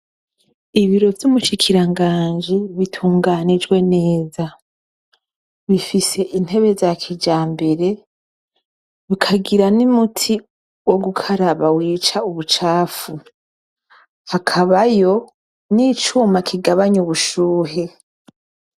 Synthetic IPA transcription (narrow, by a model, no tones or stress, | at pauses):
iβiɾo̞vjumuʃikʰiɾaŋɡaːnd͡ʒiβitʰuːŋɡanid͡ʒɡwe̞ne̞ːza | βifise̞ʔin̥he̞βe̞zakʰid͡ʒaːmbe̞ɾe̞ | βikʰaɡiɾanimutʰi | wo̞ɡukʰaɾaβawiːt͡ʃauβut͡ʃaːfu | hakʰaβajo̞ | nit͡ʃumakʰiɡaβaɲuβuʃuːɦe̞